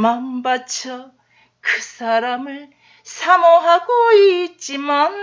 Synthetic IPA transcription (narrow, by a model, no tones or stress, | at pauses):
manbat͡ɕʰʌ | kɯsʰaɾamɯɭ | sʰamoɦaɡoit͡ɕ͈iman